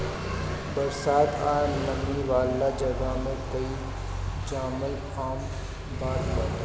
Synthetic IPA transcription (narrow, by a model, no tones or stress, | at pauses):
bɐɾsaːt̪aːnlɐmniʋaːlːad͡ʒɐɡamekɐi | d͡ʒaːməlkaːm | baːɾbɐɾ